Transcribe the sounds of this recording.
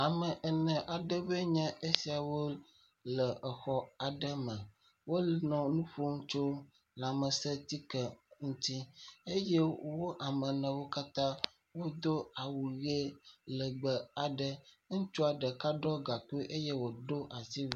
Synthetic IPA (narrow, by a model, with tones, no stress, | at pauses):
a˨mɛ̃˨ʔɛ˨nɛ̃˨ʔa˨ɖə˦be˦ɲɛ̃˦ʔe˦si˨a˨wo˦ | lɛ˨ɛ˨xɔ˦a˨ɖɛ˦mɛ̃˨ | wo˦lnɔ̃˨nũ˦ɸo˦ŋũ˦t͡ʃo˦ | la˨mə˨sɛ˦t̪i˦kɛ˨ŋũ˦t̪i˦e˦je˦wo˦ʔa˨mɛ˨nɛ̃˨wo˦ka˦t̪ã˦ | wo˦d̪o˦a˨wu˨ɣe˦lə˨ɡ͡bɛ˨a˨ɖɛ˦ | ŋũ˦t͡ʃo˦a˨ɖɛ˨ka˦ɖɔ˦ɡa˨ku˦e˦ʔe˦je˦wo˨ɖo˦ʔa˨si˦˨